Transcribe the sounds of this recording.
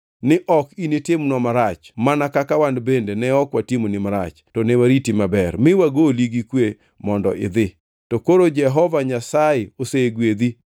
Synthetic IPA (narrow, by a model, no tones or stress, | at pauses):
nɪʔɔkinitɪmnɔmaɾat͡ʃmanakakawandbendenɛɔkwatimonɪmaɾa̰t͡ʃtɔnɛwaɾitimabɛrmɪwaɡoliɡikwe | mɔndɔ̰ʔɪ̰d̪ɪ | tɔkoɾod͡ʒɛɦɔvaɲasajɪoseɡwed̪i